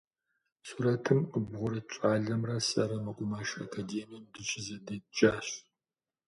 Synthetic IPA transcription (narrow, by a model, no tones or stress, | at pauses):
suɾɐtʰɨmqəbʁʷʊɾɐt͡ʃʼaːɮɐmrɐsɐɾɐmɐqʷʼʊmaːʃa̰kʰaːdeːmijɛmdɨt͡ʃʰʼɪzɐdɐt͡ʃʼaːɕ